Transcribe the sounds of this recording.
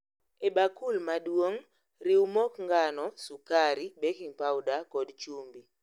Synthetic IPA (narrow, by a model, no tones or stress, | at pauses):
ebakulmadwoŋ | riwmokŋɡanɔsukaɾibekiŋpawdakɔdt͡ʃumbi